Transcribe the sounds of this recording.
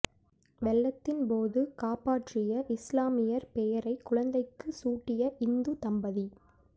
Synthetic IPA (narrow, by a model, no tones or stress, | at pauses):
ʋɛlːɐt̪ːɪnpoːðɯkaːpaːʈrɪjɐʔɪslaːmɪjɐɾpɛjɐɾɐɪkːʊɻɐnd̪ɐɪkːɯsuːʈːɪjɐʔɪnd̪ɯt̪ɐmbɐði